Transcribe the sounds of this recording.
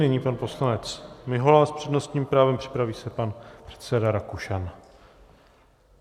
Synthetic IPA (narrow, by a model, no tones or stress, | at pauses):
nɪɲiːpanpo̞slanɛt͡smɪɦolaːspr̥ɛdno̞st̪ɲiːmpɾaːvɛmpr̝̥ɪ̥pɾaviːsɛpanpr̥ɛ̥t̪sɛdaɾakuʃan